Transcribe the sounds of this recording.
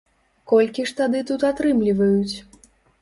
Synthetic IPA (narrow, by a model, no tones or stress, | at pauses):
kɔlʲkʲiʂt̪ad̪ɨt̪ut̪at̪ɾɨmlʲivɐjut͡sʲ